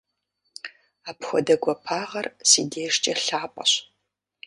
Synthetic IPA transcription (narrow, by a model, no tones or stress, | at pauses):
aːpxʷɔ̰dɐɡʷɐpʰaːʁɐrsḭːdeːʂt͡ʃʼɐɬaːpʼɐ̰ɕ